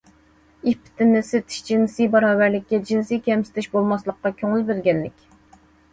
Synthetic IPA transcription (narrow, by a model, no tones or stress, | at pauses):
ipʰɪ̥t̪ʰɪnɪset̪ʰɪ̥ʃd͡ʒinsijbɑɾɑːvæɾlɪk̚ʲːɛd͡ʒinsijkʲɛmsɪ̥t̪ʰɪʃbolˠmɑslˠəqːɑkʲʰøŋɪlˠbɪɾɡʲɛnlɪkʲ